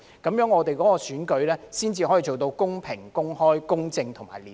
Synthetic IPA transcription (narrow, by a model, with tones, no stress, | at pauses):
kɐ˨˥mjœː˨˥ŋɔː˨˧t̪e˨jkɔː˨˥kɔː˧syː˨˥nkɵ˨˧ɥlɛː˥siː˥nt͡siː˧ɔ˨˥ji˨˧t͡so˨wt̪̬o˧wkʊ˥ŋpʰɪ˨˩ŋkʊ˥ŋhɔː˥jkʊ˥ŋt͡sɪ˧ŋt̪ʰʊ˨˩ma̰ː˨˩jliː˨